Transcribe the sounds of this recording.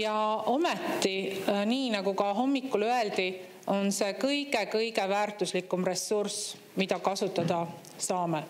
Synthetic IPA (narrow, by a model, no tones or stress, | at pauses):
jɑo̞met̪ːˑiniːnɑɡ̥ukɑɦo̞mːikːˑuløe̞ld̪̥i | o̞nse̞kɤjɡ̥e̞kɤjɡe̞væːrt̪ˑuslikːˑumre̞sːurs | mid̪ɑkɑsut̪ːˑɑd̪̥ɑ | sɑːme